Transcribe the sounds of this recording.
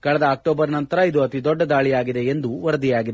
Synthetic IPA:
kɐɭɐd̪ɐaːk̚ʈoːbɐɾnɐnt̪ɐɾɐid̪uɐt̪id̪ɔɖːɐd̪aːɭijaːɡid̪e̞end̪uʋɐɾɐd̪ijaːɡid̪e

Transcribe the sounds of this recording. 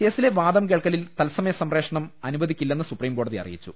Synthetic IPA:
ke̞ːsileʋaːd̪ɐmk̬e̞ːɭkːɐlilt̪ɐlsɐmɐjɐsɐmre̞ːkʂɐɳɐmɐnubɐðikʲːilːɐenːɨsupriːmko̞ːɽɐðiɐ̰rḭjḭt͡ɕːṵ

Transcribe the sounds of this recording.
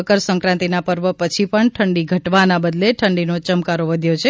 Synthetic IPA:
kəɾsə̃ŋkɾãnt̪inapəɾʋəpət͡ʃʰipəɳʈʰəɳɖiɡʱəʈʋanabəd̪leʈʰəɳɖinot͡ʃəmkaɾoʋəd̪ʱjot͡ʃʰe

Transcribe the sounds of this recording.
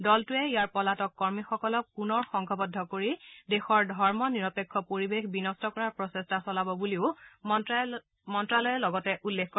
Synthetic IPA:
dɔltʊɛijaɹpɔlatɔkːɔɹmixɔkɔlɔkːunɔɹxɔŋkʰɔbɔdʱːɔkoɹidexɔɹdʱɔɹmɔniɹɔpekʰːɔpoɹibexbinɔstɔkɔɹaɹpɹɔsestasɔlabɔbuliʊ | mɔntɹalɔjɛlɔɡɔtɛʔulːexkɔ

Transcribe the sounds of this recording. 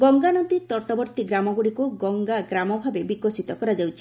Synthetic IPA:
ɡɔŋɡanɔd̪it̪ɔʈɔbɔɾt̪iɡɾamɔɡuɽikuɡɔŋɡaɡɾamɔbʱabebikosit̪ɔkɔɾad͡ʒawt͡ʃʰi̥

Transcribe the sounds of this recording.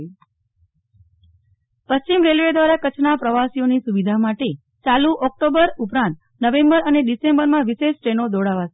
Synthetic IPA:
pəst͡ʃimɾelʋed̪ʋaɾakət͡ʃʰnapɾəʋasijonisuʋid̪ʱamaʈe | t͡ʃalũʔɔk̚ʈobəɾupɾãnt̪ | nəʋẽmbəɾəneɖisembəɾmãʋiʃeʃʈɾenod̪oɽaʋat͡ʃʰe

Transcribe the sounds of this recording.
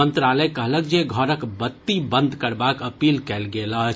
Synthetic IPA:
ənt̪ɾaləjkəɦləkd͡ʒeɡʱəɾəkbət̪ːibə̃nd̪ʱkəɾbakəpilkɛlɡeləɦ

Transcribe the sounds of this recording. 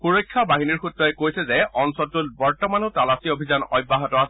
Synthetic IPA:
xuɹojkʰːabaɦiniɹxutɹɔɛkojsɛzɛɔnsɔtulbɔɹtɔmanʊtalasiobʱizanɔjbːaɦɔtɔasɛ

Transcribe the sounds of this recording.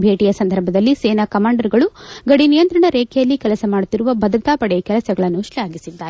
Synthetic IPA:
bʱe̞ːʈijɐsɐnd̪ʱɐɾbʱɐd̪ɐlːiseːnakɐmaːɳɖɐɾɡɐɭuɡɐɽinijɐnt̪ɾɐɳɐɾeːkʰɛjɐlːikɛlɐsɐmaːɽut̪ːiɾuʋɐbɐd̪ɐt̪aːpɐɽekɛlɐsɐɡɐɭɐnːuʂlɛjaːɡisid̪ːaːɾe

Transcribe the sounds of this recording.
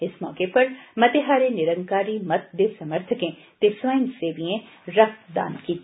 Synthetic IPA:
ɪsmɔ̰ːkepɐɾmɐt̪eɦaːɾenɪɾə̃ŋɡkaːɾimɐt̪̚d̪esɐməɾt̪ʰəkẽ | t̪esʋaːɪnseːʋiẽ | ɾɐk̚t̪d̪a̰ːnkiː

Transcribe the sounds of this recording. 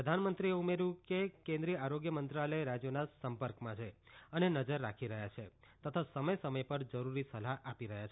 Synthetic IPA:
pɾəd̪ʱanmənt̪ɾieumeɾũkekẽnd̪ɾiəaɾoɡjəmənt̪ɾaləjɾad͡ʒjonasəmpəɾkmãt͡ʃʰe | ənenəd͡ʒəɾːa̰kʰiɾəɦjat͡ʃʰe | t̪ət̪ʰasəməjsəməjpəɾd͡ʒəɾuɾisəlaʔapiɾəɦjat͡ʃʰe

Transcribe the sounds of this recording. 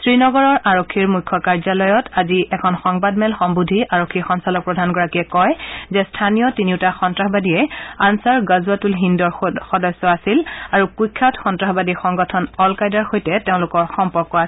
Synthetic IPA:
sɹinɔɡɔɹɔɹʔaɹokʰːiɹmujkʰːɔkaɹzalɔjɔtaziɛkʰɔnxɔŋbadmɛlxɔmbudʱiʔaɹokʰːixɔnsalɔk̚pɹɔdʱanɡɔɹakiɛkɔjzɛstʰanijɔtiniʊtaxɔntɹaxɔbadijɛansaɹɡazuatulɦindɔɹxɔdɔsːɔasilaɹukujkʰːatxɔntɹaxɔbadixɔŋɡɔtʰɔnɔlkajdaɹxojtɛteʊ̃lʊkɔɹxɔmpɔɹkːɔas

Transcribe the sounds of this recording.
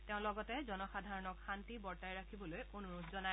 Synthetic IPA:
teʊ̃lɔɡɔtɛzɔnɔxadʱaɹɔnɔkxantibɔɹtajɹakʰibɔlojonuɹutʰzɔnaj

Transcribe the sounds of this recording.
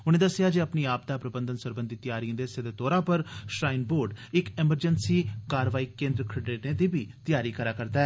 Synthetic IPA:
ʊnẽːd̪əsːɪjaːd͡ʒiəpniːaːp̚d̪aːpɾəbənd̪ənsəɾbənd̪iːt̪jaːɾiə̃d̪eːsɪd̪eːt̪ɔːɾaːpəɾʃɾaːinboːɾɖɪkɪməɾd͡ʒənsiːkaːɾʋaːiːkẽːnd̪ɾəkʰəɖɾeːʈnẽːd̪iːbiːt̪ɪjaːɾiːkəɾaːkəɾd̪aːɛː

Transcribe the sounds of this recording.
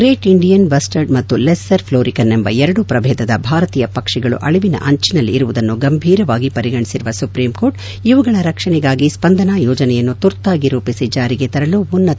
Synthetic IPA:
ɡɾeːʈiɳɖijɐnbɐsʈɐɾɖmɐt̪ːulesːɐɾpʰloːɾikɐnɛmbɐ̰ɛɾɐɽupɾɐbʱɛːd̪ɐd̪ɐbʱaːɾɐt̪iːjɐpɐkʂɛɡɐɭṵʔɐɭiʋinɐ̰ʔɐɲt͡ʃinɐlːiːɾuʋud̪ɐnːuɡɐmbʱiːɾɐʋaːɡipɐɾiɡɐɳisiɾuʋɐsupɾiːmko̞ːɾʈ | iʋɐɡɐɭɐɾɐkʂɐɳɛɡaːɡispɐnd̪ʱɐnaːjɔːd͡ʒɐnɛjɐnːut̪uɾt̪ːaːɡiɾuːpisid͡ʒaːɾiɡe̞t̪ɐɾɐlubunːɐ

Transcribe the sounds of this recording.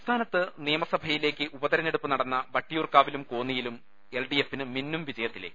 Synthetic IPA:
st̪ʰaːnɐt̪ːɨnijɐmɐsɐbʱɐjile̞ːkʲːɨʔubɐðɐɾɐneɽupːɨnɐɽɐnːɐbɐʈːijuːrkaːʋilumko̞ːnːijilum | e̞lɖijefːinɨminːumʋid͡ʑɐjɐt̪ːileːkː

